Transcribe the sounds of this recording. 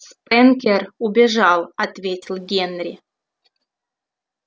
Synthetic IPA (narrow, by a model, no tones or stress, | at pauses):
spɛnkʲerubʲɪʐɑlˠɐt̪vʲetʲɪlˠɡʲenɾʲɪ